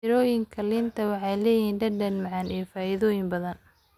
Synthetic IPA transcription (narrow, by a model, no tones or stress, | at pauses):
ɪɾɔːjɪŋkʰɐlɪnt̪ʰɐwɑħɑjlɛːjiːnɖɐɖɐnmɐʕɑnijɔfaːɪðɔːjɪmbɐðɐn